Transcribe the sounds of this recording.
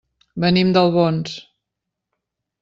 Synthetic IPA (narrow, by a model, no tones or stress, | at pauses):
bənimd̪əlˠβons